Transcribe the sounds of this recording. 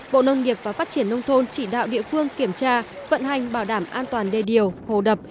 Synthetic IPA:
ɓo̰˧˨nə˧wŋ͡mŋi˨˩əp̚vaː˨˩faː˦˥t̚t͡ɕi˧˩ənːə˧wŋ͡mt̪ʰo˧nt͡ɕi˧˩ɗa̰ː˧˨wɗḭ˧˨əfɨ˧əŋki˧˩əmt͡ɕaː˧və̰˧˨nɦa˨˩jŋ̟ɓaː˧˩wɗaː˧˩mʔaː˧nt̪waː˨˩nɗe˨˩ɗi˨˩əwho˨˩ɗə˨˩p̚

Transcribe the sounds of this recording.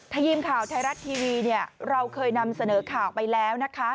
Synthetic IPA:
t̪ʰaː˧jiː˧mkʰaː˨˩wt̪ʰa˧jɾa˦˥t̪ʰːiː˧wiː˧ni˥˩əɾa˧wkʰɤː˧jna˧msa˧nɤː˩˦kʰaː˨˩wpa˧jlɛː˦˥wna˦˥kʰa˦˥

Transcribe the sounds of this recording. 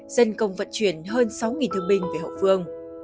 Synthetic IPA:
z̥ə˧nkə˧wŋ͡mvə̰˧˨t̚t͡ɕwi˧˩ənɦəː˧nsa˨˦wŋi˨˩nt̪ɨ˧əŋɓï˧ŋ̟ve˧˩ɦə̰˧˨vɨ˧əŋ

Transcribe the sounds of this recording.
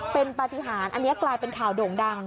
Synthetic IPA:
pe˧npa˧t̪i˧ɦaː˩˦nʔa˧nːi˦˥ɐklaː˧jpe˧nkʰaː˨˩˦wdoː˨˩ŋda˧ŋ

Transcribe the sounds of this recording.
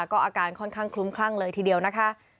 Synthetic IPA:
kɔː˥˩ʔaː˧kaː˧˩nkʰɔ˥˩nkʰaː˥˩ŋkʰlu˦˥mkʰlaː˥˩ŋlɤː˧jt̪ʰiː˧di˧əwna˦˥kʰa˦˥ʔ

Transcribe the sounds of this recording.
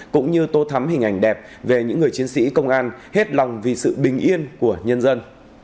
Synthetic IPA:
kʊ̰˧˥ŋ͡mɲɨ˧t̪o˧t̪ʰa˨˦mɦï˨˩ŋ̟ʔa˧˩jŋ̟ɗɛ˨˩p̚ | ve˨˩ɲɨ̰˧˥ŋːɨ˨˩əjt͡ɕi˨˦ənsḭ˧˥kə˧wŋ͡mʔaː˧nhe˦˥t̚la˨˩wŋ͡mvi˨˩sɨ̰˧˨ɓï˨˩ŋ̟ʔi˧ənku˧˩əɲə˧nzə˧n

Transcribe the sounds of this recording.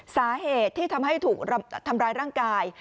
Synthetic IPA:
saː˩˦ɦeː˨˩t̪ʰːiː˥˩t̪ʰa˧mɦa˥˩jt̪ʰuː˨˩k̚ɾt̪ʰa˧mɾaː˦˧˥jɾaː˥˩ŋkaː˧j

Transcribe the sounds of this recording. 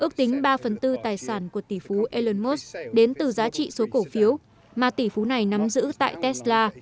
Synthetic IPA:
ʔɨ˦˥ək̚t̪ï˨˦ŋ̟ɓaː˧fə˨˩nt̪ɨ˧t̪aː˨˩jsaː˧˩nku˧˩ət̪i˧˩fu˨˦ʔe˧lə˧nmo˦˥sɗe˨˦nt̪ɨ˨˩zaː˨˦t͡ɕḭ˧˨so˨˦ko˧˩fi˨˦əw | maː˨˩t̪i˧˩fu˨˦na˨˩jna˨˦mzɨ̰˧˥t̪a̰ː˧˨jt̪ɛ˦˥slaː˧

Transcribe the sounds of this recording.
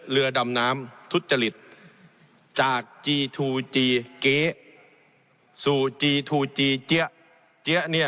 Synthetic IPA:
lɯ˧ɐda˧mnaː˦˥mt̪ʰu˦˥t̪̚t͡ɕa˧li˨˩t̪̚ | t͡ɕaː˨˩k̚t͡ɕiː˧t̪ʰuː˧t͡ɕiː˧keː˦˥ | suː˨˩t͡ɕiː˧t̪ʰuː˧t͡ɕiː˧t͡ɕi˦˥əʔ | t͡ɕi˧˦˥əʔni˧˩

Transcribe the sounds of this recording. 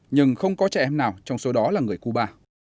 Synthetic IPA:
ɲɨ˧ŋxə˧wŋ͡mkɔ˨˦t͡ɕɛ˧ʔɛ˧mnaː˨˩wt͡ɕɔ˧wŋ͡mso˨˦ɗɔ˨˦laː˨˩ŋɨ˨˩əjku˧ɓaː˧

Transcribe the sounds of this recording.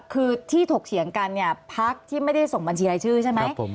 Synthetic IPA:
kʰɯː˧t̪ʰiː˥˩t̪ʰo˨˩k̚sʰi˨˩˦əŋka˧nːi˥˩ɐpʰa˦˥k̚t̪ʰiː˥˩ma˥˩jda˥˩jso˨˩ŋba˧nt͡ɕʰiː˧la˧jt͡ɕʰɯː˥˩t͡ɕʰa˥˩jma˧˥jʰo˨˧˦

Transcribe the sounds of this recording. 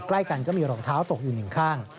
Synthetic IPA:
kla˥˩jka˧nkaː˥˩miː˧ɾɔː˧ŋt̪ʰaː˦˥wt̪o˨˩k̚juː˨˩nɯ˨˩ŋkʰaː˥˩ŋ

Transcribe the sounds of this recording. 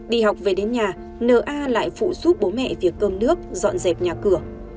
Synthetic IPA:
ɗḭ˧˨ɦa˨˩wk͡p̚ve˨˩ɗe˨˦nɲaː˨˩ | nəː˨˩ʔaː˧la̰ː˧˨jfṵ˧˨su˦˥t̚ɓo˨˦mɛ̰˧˨vi˨˩ək̚ːəː˧nnɨ˦˥ək̚zɔ̰˧˨nze˨˩p̚ɲaː˨˩kɨ˧˩ə

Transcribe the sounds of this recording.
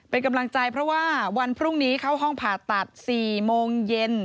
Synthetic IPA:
pe˧nka˧mla˧ŋt͡ɕa˧jpʰɾɔ˦˥waː˥˩wa˧npʰɾu˥˩ŋniː˦˥kʰa˦˥wɦɔ˥˩ŋpʰaː˨˩t̪ːa˨˩t̪̚siː˨˩moː˧ŋje˧n

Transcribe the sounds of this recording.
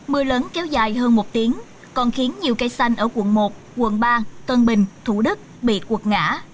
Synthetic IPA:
mɨ˧ələː˨˦nkɛ˨˦wzaː˨˩jɦəː˧nmo˨˩t̚t̪i˨˦əŋ | kɔ˨˩nxi˨˦ənɲi˨˩əwkaː˧jsa˧jŋ̟ʔəː˧˩kwə̰˧˩nmo˨˩t̚ | kwə̰˧˩nɓaː˧t̪wəː˧nɓï˨˩ŋ̟t̪ʰu˧˩ɗɨ˦˥k̚ɓḭ˧˨kwə˨˩t̚ŋa̰ː˧˥

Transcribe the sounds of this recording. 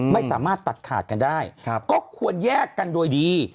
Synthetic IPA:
ma˥˩jsa̰ː˩˦maː˥˩t̪ːa˨˩t̪̚kʰa̰ː˨˩t̪̚ka˧ndaː˥˩jkɔː˥˩kʰu˧ənjɛː˥˩kːa˧ndoː˧jdiː˧

